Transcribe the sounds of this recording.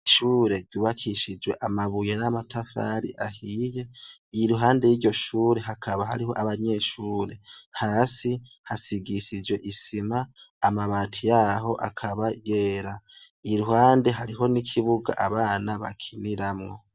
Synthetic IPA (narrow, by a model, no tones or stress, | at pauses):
ʃuːɾe̞ɾɟ̥uːβakʰiʃid͡ʒwe̞ʔamaβujenamatʰafa̰ːɾḭʔahiːje̞iɾuɦaːnde̞jiːɾɟo̞ʃuːɾe̞ɦakʰaβaɦa̰ɾiɦo̞ʔaβaɲe̞ːʃuːɾe̞haːsi | hasiɡiʃid͡ʒwe̞ʔisimaːmaβaːtʰijaɦo̞ʔa̰kʰaβaje̞ːɾa | iɾuɦaːnde̞ɦaɾiɦo̞nikʰiβuɡa̰ʔaβaːnaβa̰kʰiniɾamŋo̞